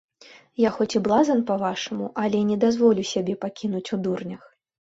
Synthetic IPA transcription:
jaxɔt͡sʲiblˠazɐnpɐvaʂɐmuʔɐlʲɛnʲɛd̪azvɔlʲusʲabʲɛpakʲʰinut͡sʲud̪urnʲɐx

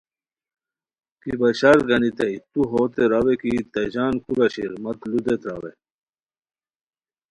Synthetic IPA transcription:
kibɐɕaɾɡɐnit̪ɐit̪uɦoːt̪eɾɐwekit̪ɐd͡ʑaːnkuɾɐɕḭɾmɐt̪lud̪et̪ɾa̰we

